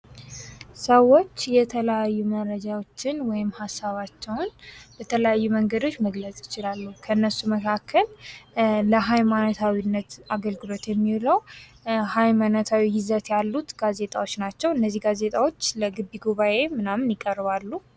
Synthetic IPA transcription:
səwːo̞t͡ʃːjɛt̪ʰələjajːumərːəd͡ʒawo̞t͡ʃːɪnwɔjɪmhasːaβat͡ʃːɛwnbət̪ʰələjajːuməŋɡəd̪o̞t͡ʃːməɡlət͡sʼjɪt͡ʃɪlalːukʰəɨnːəsːuməkʰakʰːəlː | əɦajmanot̪ʰawinːət̪aɡəlɡɨlo̞t̪jɛmːiləw | hajmanot̪ʰawijɪzət̪jalːut̪ɡ̥aze̞t̪ʼawot͡ʃːnat͡ʃːɛwɨnːəzːihɡaze̞t̪ʼawo̞t͡ʃːləɡɨbːiɡuβaʔe̞mɨnamnjɪkʼərβalːu

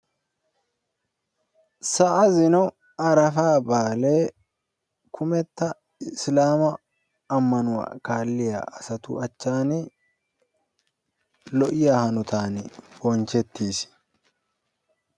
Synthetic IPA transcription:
sɐʔɐzɪnɔ | ɐɾɐfaːbaːle̞ː | kʰʊmɛt̪ːɐ | ɪslaːmɐː | mːɐnʊwa̰kaːlːɪja̰ʔɐsɐt̪ṵɐt͡ʃːaːnɪ | lɔʔɪjaːhɐnʊt̪aːnɪb̥ɔnt͡ʃɛt̪ːiːs

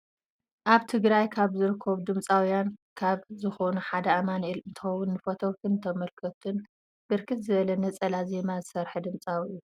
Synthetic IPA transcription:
ʔaβt̪ʰɨɡɾajkʰaβzɨɾɨkʰːɐβd̪ɨmt͡sʼawjankʰaβzɨxo̞nuħad̪ɐamanelnt̪ʰɨ̥xɐwːʊnːɨfot̪ʰokʰɨnt̪ʰɐmɐlkʰɐt̪ʰun | b̥ɨɾkʰɨt̪zɨβɐlɐnɐt͡sʼɐlaze̞mazɨsɐɾħɨd̪ɨmt͡sʼawiu

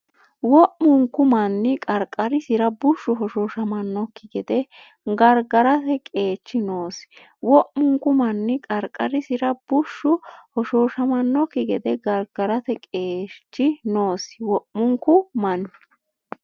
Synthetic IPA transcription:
wɔʔmʊŋkːʊmɐnːɪkʼɐɾkʼːɐɾɪsɪɾɐbʊʃːʊɦɔʃoːʃɐmɐnːɔkːɪɡɛd̪ɛ | ɡɐɾɡɐɾɐt̪ɛkʼe̞ːt͡ʃːɪnoːs | wɔʔmʊŋkːʊmɐnːɪkʼɐɾkʼɐɾɪsɪɾɐb̥ʊʃːʊhɔʃoːʃɐmɐnːɔkːɪɡɛd̪ɛɡɐɾɡɐɾɐt̪ɛkʼeːt͡ʃːɪno̞ːswɔʔmʊŋkʊmɐn

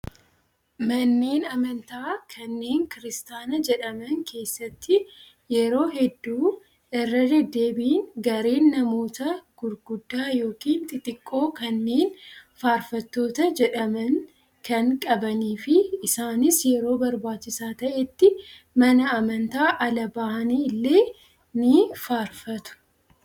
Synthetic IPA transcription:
mɐnːeːnɐmɐnt̪aːkʰɐnːe̞ːŋkɪɾɪst̪aːnɐd͡ʒɛᶑɐmɐŋkʰe̞ːsːɐt̪ːɪ | jɛɾo̞ːɦɛd̪ːuː | ɪrːɐd̪ɛd̪ːe̞ːbiːnɡɐɾe̞ːnːɐmo̞ːt̪ɐɡ̥ʊɾɡʊd̪ːaːjo̞ːkiːnt̪ʼɪt̪ʼɪkʼːo̞ːkɐnːe̞ːnfaːɾfɐt̪ːo̞ːt̪ɐd͡ʒɛᶑɐmɐŋ | kʰɐŋkʼɐbɐniːfɪːsaːnɪsjɛɾo̞ːbɐɾbaːt͡ʃːɪsaːt̪ɐʔɛt̪ːɪ | mɐnɐɐmɐnt̪aːʔɐlɐbaːʔɐniːɪlːe̞ː | nɪfaːɾfɐt̪ʊ̥

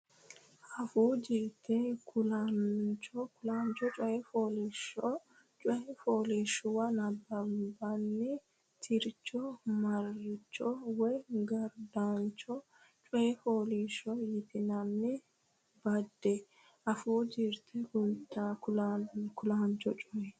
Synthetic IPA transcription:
ʔɐfuːd͡ʒɪɾt̪ʰɛkʰʊlant͡ʃɔkʊlaːnt͡ʃɔt͡ʃʼɔjɛfoːliʃɔ | t͡ʃʼɔɛfoːliːʃʊwɐnɐbːɐmbɐnːɪ | t̪ʰɪɾt͡ʃːɔmɐɾɪt͡ʃːɔwɛɡɐɾd̪aːnt͡ʃɔ | t͡ʃʼɔjɛfoːliːʃɔjɪt̪ɪnɐnːɪ | bɐd̪ːɛ | ʔɐfuːd͡ʒɪɾt̪ʰɛkʊt̪ːakʊlakʊlaːnt͡ʃɔt͡ʃʼɔʔɛ

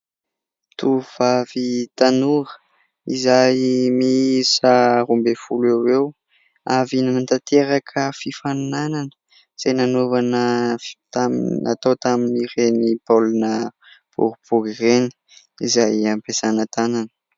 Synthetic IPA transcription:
t̪uv̥avit̪anuɾə̥ | izajmisəɾumbefulewew | avinimant̪at̪ʰeɾakʰəfifannananə̥ | z̥enanovanət̪amat̪awt̪aminirenipolunə | pṵɾibuɡireni̥ | izajampesanət̪ananə̥

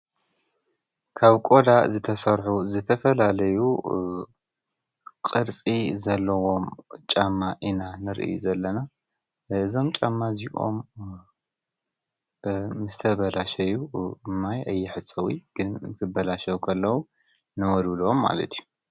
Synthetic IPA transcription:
kʰaβkʼo̞d̪azɨt̪ʰɐsɐɾħuzɨt̪ʰɐfɐlalɐju | kʼɨɾt͡sʼizɐlːɐwo̞mt͡ʃʼamːaʔinanɨɾʔɨ̰jṵzɐlːɐna | ɨzo̞mt͡ʃʼamːaziʔo̰m | ɨzt̪ʰɐβɐlaʃɐjuɨmːajʔɐjːɪħɨt͡sʼɐwiɡ̥ɨnmɨkʰɨbɐlaʃɐwkʰɐlːɐwu | nɐwɔd̪ɨlomːa̰lɐ̰t̪ʰiju

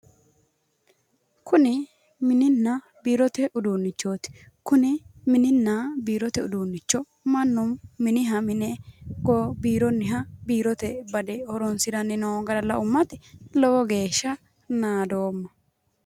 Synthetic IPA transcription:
kʰʊnɪ | mɪnɪnːɐ | biːɾɔt̪ɛʔʊd̪uːnːɪt͡ʃːoːt̪ɪ̥ | kʊnɪmɪnɪnːɐbiːɾɔt̪ɛʊd̪uːnːɪt͡ʃːɔ | mɐnːʊmːɪnɪɦɐmɪnɛɡɔbiːɾɔnːɪɦɐbiːɾɔt̪ɛbɐd̪ɛhɔɾɔnsɪɾɐnɪnoːɡɐɾɐlːɐʊmːɐt̪ɪlɔwɔɡe̞ːʃːɐ | naːd̪oːmːɐ

